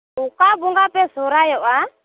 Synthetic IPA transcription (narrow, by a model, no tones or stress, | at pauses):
ukabuŋɡapɛsɔɾajɔa